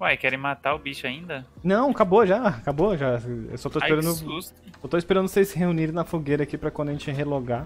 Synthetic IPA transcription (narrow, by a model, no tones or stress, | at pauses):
aikɛɾẽj̃mat̪aʊbiʃʊaĩnd̪ɐnɐ̃w̃kaboʒakaboʒaḛwsɔt̪oispeɾɐ̃nd̪ʊus | ot̪oispeɾɐ̃nd̪ʊsesɪɦeuniɾ̃nɐfoɡejɾɐakipɾɐkwɐ̃d̪ɐʒẽt͡ʃɪɦeloɡa